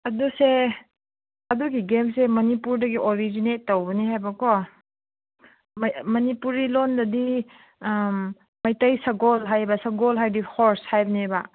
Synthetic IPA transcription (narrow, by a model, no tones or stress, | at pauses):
ɐduse | ɐduɡiɡemsemɐnipuɾdɐɡiʔoɾid͡ʒinetːowbɐnihajbɐkɔ | mmɐnipuɾilondɐdi | mɐjtɐjsɐɡolɦajbɐsɐɡolɦajdihoɾshajbɐniba